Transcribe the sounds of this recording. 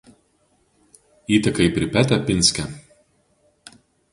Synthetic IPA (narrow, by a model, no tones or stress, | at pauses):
iːt̪ʲɐkɐɪpʲɾʲɪpʲæt̪ʲɛpʲɪnʲsʲkʲɛ